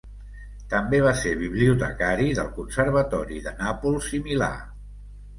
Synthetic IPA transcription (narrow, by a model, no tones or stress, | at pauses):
t̪əmbeβ̞aseɾβ̞iβliut̪əkaɾiðəlˠkunsəɾβ̞ət̪ɔɾiðənapulˠsimila̰